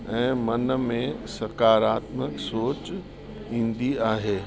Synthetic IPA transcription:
ɛ̃ːmɐnə̆mẽsɐkaːɾaːt̪məksoːt͡ɕ | ĩːn̆d̪iaːɦeː

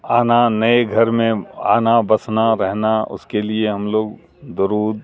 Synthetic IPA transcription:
aːnanɐeɡʱɐɾmẽa̰ːnabɐsnaɾɛɦnaʊ̰skelieɦɐmloːɡ | d̪ʊɾuːd̪

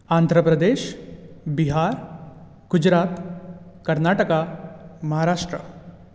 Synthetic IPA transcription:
aːnd̪ʱɾəpɾəd̪eːʃbiɦaːɾ | ɡ̥ud͡ʑɾaːt̪kɐɾnaːʈəkamɐɦaɾaːʂʈɾə̰

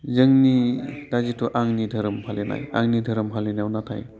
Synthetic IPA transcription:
zɯŋnidazitʰɔʔaŋnidʱəɾɯmpʰalena̰ja̰ŋnidʱəɾɯmpʰalenawnatʰaj

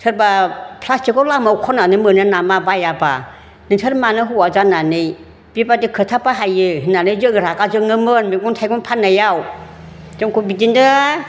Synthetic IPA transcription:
tʰɯɾbapʰlastɯɡɔlamawkʰɔnanɯmɯnɯnamabajaba | nɯntʰɯɾmanɯɦuwazananɯj | b̥ibadɯkʰɯtʰapaɦajɯɦinanɯjzɯŋɾaɡazɯŋɯmɯnmiɡɔntʰajɡɔnpʰanːajaw | d͡ʒɯŋkʰubidindɯ

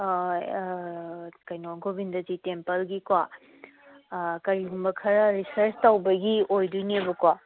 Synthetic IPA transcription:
kɐjnoŋɡʰobindɐzitempɐlɡikwa | kɐɾiɡumbɐkʰɐɾɐɾisɐɾstawbɐɡiojdujnebɐkwa

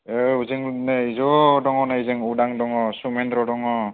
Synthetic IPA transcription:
euzɯŋneizɔdɔŋɔnaizɯŋudaŋdɔŋɔsumendɾɔdɔŋɔ

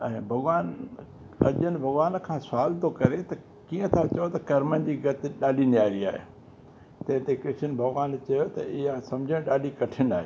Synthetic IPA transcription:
ɛ̃ːbʱɐɡʋaːn | ɐ̰ʄənɪbʱɐɡʋaːn̆kʰãːsʊaːlt̪okɐɾet̪ɐ | kiːə̃t̪ʰat͡ɕɐjot̪ɐkɐɾmənɪ̆d͡ʑiːɡɐt̪ɪɗaːlinjaːɾiaːɦḛ | t̪ɐ̃ɦɪ̃t̪ekɾɪʃənbʱɐɡʋaːnt͡ɕɐjot̪ɐɪɦasɐ̃md͡ʑʱəɽ̃ɗaːlikɐʈʰɪnaːɦeː

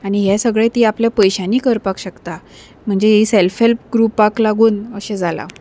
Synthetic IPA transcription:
aɽ̃iɦɛsəɡɭet̪iːapljapəjɕaniːkəɾpakɕəkt̪a | m̤əɳd͡zeɦiselfelp̚ɡɾupaklaɡuːnəɕed͡zʱala̰

